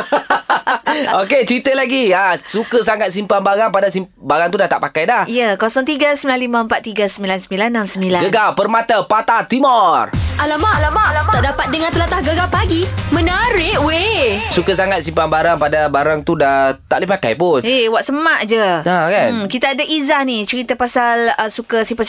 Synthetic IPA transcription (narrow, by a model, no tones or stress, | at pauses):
oket͡ʃit̪əlaɡiasukəsaŋat̪̚simpanbaɾaŋpadasimbaɾaŋt̪udaht̪aʔpakajdahijəkɔsɔŋt̪iɡasəmilanlimaəmpat̪ːiɡasəmbilansəmbilanːamsəmbilaɡənɡawpərmat̪apat̪at̪imɔrʔalamaʔalamalamat̪aʔdapat̪̚dəŋãnt̪əlat̪ahɡəɡapaɡimə̃nəɾɪʔwesukəsaŋat̪̚simpanbaɾaŋpadabaɾaŋt̪udaht̪a̰ʔlipaka̰jpʊnewaʔsəmaʔd͡ʒəakankit̪aːdaʔizahnit͡ʃəɾit̪apasaləsukəsimpa